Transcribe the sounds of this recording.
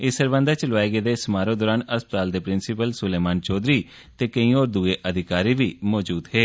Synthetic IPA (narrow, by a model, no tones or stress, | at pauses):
ɪsəɾʋə̃ːnd̪aːt͡ʃəlʋaːeːɡeːd̪eːsmaːɾõːd̪oːɾaːnəspət̪aːld̪eːpɾɪnsɪpəlsʊleːmaːnt͡ʃɔːd̪ɾiː | t̪eːkəĩːoːɾd̪ueːʔəd̪ʱɪkaːɾiːʋiːmɔːd͡ʒuːd̪ɦeː